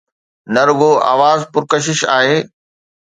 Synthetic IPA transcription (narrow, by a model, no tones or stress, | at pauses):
nɐɾʊɡoʔa̰ːʋaːzpʊɾkɐʃ̬ɪʃa̰ːɦeː